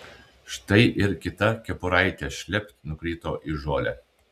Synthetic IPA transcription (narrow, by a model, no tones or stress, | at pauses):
ʃt̪ɐɪʔɪɾkʲɪt̪ɐkʲɛpʊɾɐɪt̪ʲɛʃʲlʲɛpʲt̪nʊkɾʲiːt̪oːʔɪʒoːlʲɛ